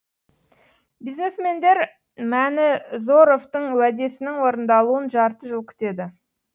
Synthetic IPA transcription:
bizne̞sme̞nd̪e̞ɾ | mænɪzo̞ɾo̞ft̪əɴwæd̪e̞sɪnɪŋwo̞ɾənd̪ɑlˠuənʒɑɾt̪əʒəlˠkʲʰʏ̥t̪e̞d̪ɪ

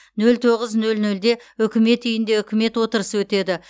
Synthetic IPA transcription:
nɵlt̪ʰo̞ʁəznɵlnɵld̪e̞ʏkʲɪme̞t̪ʏjɪnd̪e̞ʏkʲɪme̞t̪wo̞t̪əɾəsəwɵt̪e̞d̪ɪ

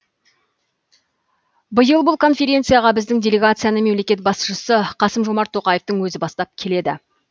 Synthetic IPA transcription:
bəjəlˠbʊlˠkʰo̞nfʲe̞ɾʲe̞t̪sɨjaʁɑbɪzd̪ɪŋdʲe̞lʲe̞ɡat̪sɨjanəme̞mle̞kʲe̞t̪̚bɑsʃəsəqʰɑsəmʒo̞mɑɾt̪ʰːo̞qɑjeft̪əŋwɵzɪbɑst̪ɑp̚kʲʰe̞le̞d̪ɪ̰

